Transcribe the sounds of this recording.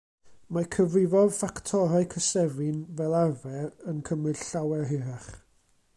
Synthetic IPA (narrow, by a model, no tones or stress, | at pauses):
makʰəvrɪvɔð̥faktʰɔɾaɨkʰəsɛvɪnvɛlˠarvɛɾənkʰəmɨd̥ɬawɛrɦɪɾaχ